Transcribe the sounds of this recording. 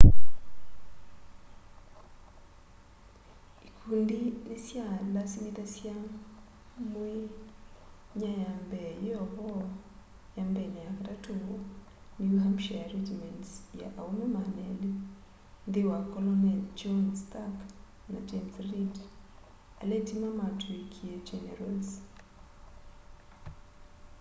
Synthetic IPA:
ikundinisjalasimiðasja | mwe | ɲajambɛjɔhɔ | jambɛnajakaɾatuɡo | niwuɦamʃajaɾɛd͡ʒimɛntsja̰ʔaunomanɛli | nd̪ɪwakɔlɔnɛld͡ʒɔnstak | na̰d͡ʒemsrid | a̰lɛtimamatuikʰied͡ʒɛnɛɾals

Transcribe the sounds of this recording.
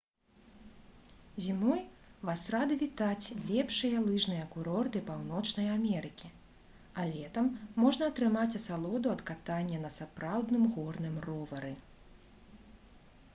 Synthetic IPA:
zʲimɔjvasrad̪ɨvʲit̪at͡sʲlʲɛpʂɨjɐlˠɨʐnɨjɐɐkuɾɔrt̪ɨpawnɔt͡ʂnɐjamʲɛɾɨkʲi | alʲɛt̪ɐmːɔʐnɐɐt̪ɾɨmat͡sʲɐsalˠɔd̪uɐt̪kat̪anʲːɛnɐsapɾawd̪nɨmɣɔrnɨmrɔvɐɾɨ

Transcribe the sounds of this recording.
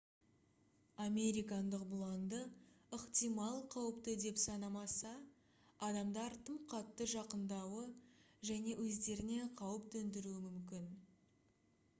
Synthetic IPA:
amʲe̞ɾijkɑnd̪əqbʊlˠɑnd̪əəqt̪ijmɑlˠqʰɑwəpt̪əd̪e̞psɑnɑmɑsɑ | ɑd̪ɑmd̪ɑɾt̪ʰəmqʰɑt̪ːəʒɑqənd̪ɑwə | ʒæne̞wɵzd̪e̞ɾɪne̞qʰɑwəp̚d̪ʰɵnd̪ɪɾuɪmʏmkʲɪn

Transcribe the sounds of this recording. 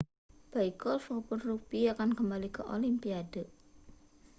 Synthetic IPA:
b̥aikɔlfɔpʊnrupiakankəmbalikəʔolimpiadə

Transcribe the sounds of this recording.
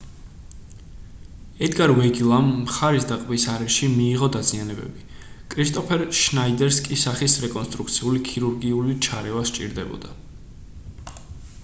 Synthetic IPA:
ɛd̪ɡaɾwɛɡilˠamːχaɾisd̪aqʼbisaɾɛʃimiːʁɔd̪azianɛbɛ̰bi | kʼɾist̪ʼɔpʰɛɾʃnaid̪ɛɾskʼisaχisɾɛkʼɔnst̪ʼɾuk̚ʰt̪sʰiulikʰiɾuɾɡiulit͡ʃʰaɾɛvast͡ʃʼḭɾd̪ɛbɔ̰d̪a

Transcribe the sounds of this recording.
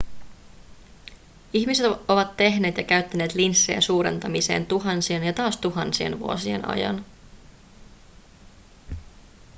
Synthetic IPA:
içmiset̪o̞ʋɑt̪ːe̞ɦne̞ːt̪jɑkæɥt̪ːæne̞ːt̪linsːejæ̰suːɾe̞̰nt̪ɑmise̞̰ːnt̪uɦɑnsienjɑt̪ɑːst̪uɦɑnsie̞̰nʋṵo̞sie̞̰nɑ̰jɑ̰n

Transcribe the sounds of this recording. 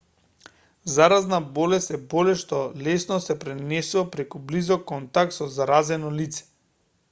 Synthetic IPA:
zaɾaznabɔlɛst̪ɛbɔlɛʃt̪ɔlɛsnɔsɛpɾɛnɛsuvapɾɛkublizɔkːɔnt̪ak̚t̪sɔzaɾazɛnɔlit̪sɛ̥

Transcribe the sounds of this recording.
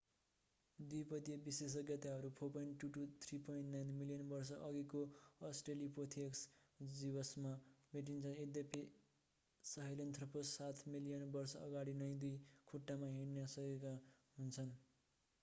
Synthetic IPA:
d̪ujpʌt̪jʌbises̬ʌɡjʌt̪aɦʌɾupʰopʌjɳʈːuʈut̪ʰripoĩɳʈnajnmilijʌnbʌrsʌʔʌɡikoʌsʈrelipot̪ʰieksd͡zibʌsmabʱeʈ̬int͡sʰʌed̪jʌpi | sʌɦʌlʌnt̪ʰʌpʰosat̪ʰmilijʌnbʌrsʌʌɡaɽinʌj̃d̪ujkʰuʈːamaɦeɽnasʌkekaɦunt͡sʰʌn

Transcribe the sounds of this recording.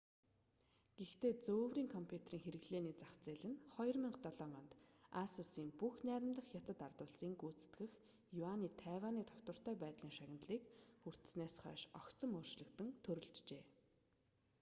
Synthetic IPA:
ɡ̥ext̪eːt͡soːwriːŋkʰɔmpʰjut̪ʰeriːŋxeɾɘ̆ɣɮeːniːt͡saχt͡seːɮɘ̆nχɔjɞ̆rmɪɴɢt̪ɔɮɔŋɔnt̪asusiːmpuxnæːɾʲɪ̆mt̪ə̆χjat̪ə̆t̪art̪ʊːɮsiːŋɡut͡sɘ̥̆t̪ɡɘ̆x | jʊaniːt̪ʰæːwaːniːt̪ʰɔ̥kt̪wə̆r̥t̪œːpæːt̪ɮiːŋʃaɣʲɪ̆nt̪ɮiːkxur̥t̪ɘ̥̆sneːsχœ̰ːʃɔkt͡sə̆mʊːrʃɮə̆kt̪ɘ̆ŋt̪ʰɵɾɵ̆ɮt͡ɕt͡ɕeː

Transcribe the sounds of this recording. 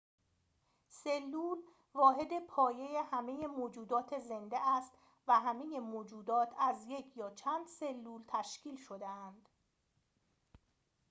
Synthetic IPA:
selːuːl | vɒːɦe̞d̪e̞pʰɒːje̞jehæme̞jemoːd͡ʒuːd̪ɒːt̪ʰeze̞nd̪eʔæst̪ | væɦæme̞jemoːd͡ʒuːd̪ɒːt̪ʰæzje̞cʰjɒːt͡ʃʰænd̪̥se̞lːuːlt̪ʰæʃciːlʃo̞d̪eænd̪̥

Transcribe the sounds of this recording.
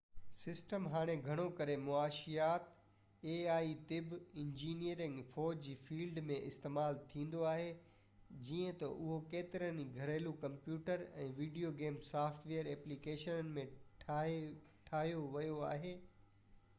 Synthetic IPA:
sɪsʈəmɦaːɽ̃eɡʱɐɽ̃okɐɾemʊaːʃijaːt̪ | eːaːit̪ɪbɪ̃ɲd͡ʑiːnijəɾɪ̃ŋɡfɔːd͡ʑd͡ʑiːfiːlɖmẽʔɪst̪eːmaːlt̪ʰĩːn̆d̪oaːɦe | d͡ʑiːə̃t̪ɐ̰ʔʊɦokeːt̪ɪɾəniɡʱɐɾeːlukɐ̃mpjuːʈəɾɛ̰̃ːʋiːɖijoɡeːmsaːfʈʋeːjəɾɛːplikeːʃənənɪ̆mẽ | ʈʰaːɦijoʋɐjoa̰ːɦeː

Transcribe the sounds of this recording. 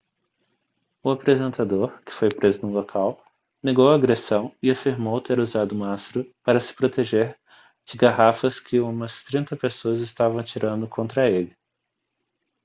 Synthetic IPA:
ʊapɾezẽnt̪ad̪oɾkɪ̥fojpɾezʊnũlokʰaw | neɡowɐːɡɾesɐ̃w̃ɪafiɾmowt̪eɾuzad̪ʊũmastɾʊpaɾɐsɪ̥pɾot̪eʒeɾ | d͡ʒɪɡaɦafɐskʰɪũmɐst̪ɾĩnt̪ɐpesoɐzɪst̪avɐ̃w̃at͡ʃiɾʔɐ̃nd̪ʊkʰõnt̪ɾɐelɪ

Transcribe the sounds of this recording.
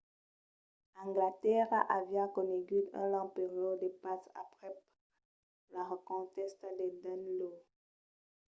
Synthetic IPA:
ɛ̃ŋɡlat̪ɛʁa̰ʔavjakɔneɡyd̪ɛ̰̃lɑ̃peʁjɔd̪epasa̰pχɛ | laʁəkɔ̃t̪ɛst̪d̪ed̪anlo

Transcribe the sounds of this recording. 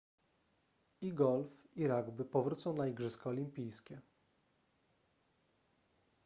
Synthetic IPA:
iɡɔlfiɾaɡbɘpɔvɾut̪sɔ̃w̃naiɡʐɘskɔɔlʲimpʲijskʲɛ

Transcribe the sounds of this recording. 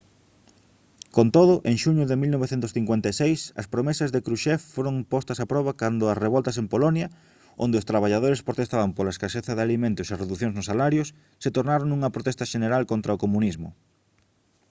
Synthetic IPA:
kont̪oðʊʔeŋʃuɲʊðɪmilnoβeθent̪ʊsθiŋkwent̪asejsɐ̰spɾomesɐzðekɾuʃɛffoɾoŋpɔst̪ɐsapɾɔβɐkand̪ʊɐsreβɔlt̪ɐs̬empolɔnjɐ | o̰nd̪eʊst̪ɾaβaʎað̞oɾespɾot̪est̪aβɐmpolaeskaʃeθɐðalimẽnt̪ʊsareðuθjoŋznʊsalaɾjʊsː | et̪oɾnaɾoŋnuŋɐpɾot̪ɛst̪ɐʃeneɾalkont̪ɾɐokomunizmʊ̰

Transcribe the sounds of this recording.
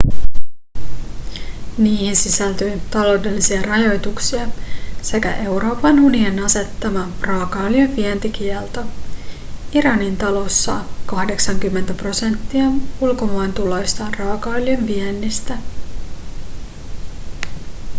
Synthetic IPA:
niːhinsisælt̪yːt̪ɑlo̞wde̞lːisiɑrɑjo̞jt̪uksiɑse̞kæ̰ʔe̞wɾo̞ːpɑnunienɑse̞t̪ːɑmɑprɑːkɑːljøʋʋiɛnt̪ik̟iɛlt̪o | iɾɑnint̪ɑlo̞sːɑ̰kɑhde̞ksɑŋk̟ymːent̪æpro̞se̞nt̪ːiɑulko̞mɑent̪ulo̞jst̪ɑnrɑːkɑːljynʋienːist̪æ

